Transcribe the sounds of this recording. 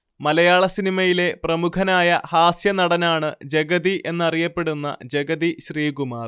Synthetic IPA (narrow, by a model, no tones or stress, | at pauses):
mɐlɐjaːɭɐsinimɐjile̞prɐmukʰɐnaːjɐhaːsjɐnɐɽɐnaːɳɨd͡ʑeɡɐðiʔe̞nːɐrijɐpːe̞ɽunːɐ̰d͡ʑeɡɐðiɕriːɡumaːr